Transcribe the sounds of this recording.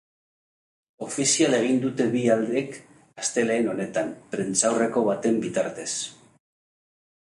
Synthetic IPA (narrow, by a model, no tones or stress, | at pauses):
o̞fisiale̞ɣ̞ind̪ut̪e̞βiald̪e̞k | ast̪e̞le̞ːno̞ne̞t̪ampɾent͡sawre̞ko̞βat̪e̞mbit̪aɾt̪e̞s